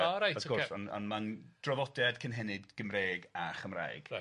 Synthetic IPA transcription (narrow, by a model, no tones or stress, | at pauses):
ɔɾajɔɡɔrsɔnɔ̰nmand̥rɔvɔdɛd̥kʰənɦɛnɨdɡ̥əmreːɡaχəmra̰jɡ̥